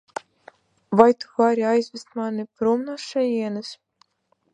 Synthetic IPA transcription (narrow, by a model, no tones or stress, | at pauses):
vajt̪u̥vaɾʲiajzʲvʲist̪̚manipɾumnaʃɛjiɛnɨs